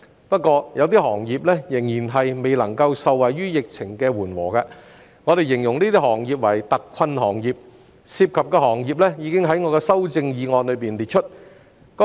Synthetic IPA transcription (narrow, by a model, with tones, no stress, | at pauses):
pɐ˥t̚kːɔː˧jʔɐ˨˧wt̪̬iː˥hɔː˨˩ŋjiː˨p̚lɛ˥jɪ˨˩ŋjiː˨˩nɦɐ˨jme˨jlɐ˨˩ŋkɐ˧wsɐ˨wːɐ˨˩jɥyː˥jɪ˨k̚t͡sʰɪ˨˩ŋkɛː˧wuː˨˩nwɔ̰ː˨˩ka˧ | ŋɔː˨˧ɾe˨jɪ˨˩ŋjʊ˨˩ŋniː˥t̪iː˥hɔː˨˩ŋjiː˨p̬̚wɐ˨˩jt̪ɐ˨kʰːɐ˧nhɔː˨˩ŋjiː˨p̚ | siː˧p̚kʰɐ˨p̚kɛː˧ɦɔː˨˩ŋjiː˨p̚lɛ˥jiː˨˧kɪ˥ŋɦɐ˨˥jŋɔː˨˧kɛː˧sɐ˥wt͡sɪ˧ŋjiː˨˧ŋɔː˧nlɵ˨˧ɥpiː˨˩nliː˨t̚t͡ʃʰɵ˥t̚ | kɔ˥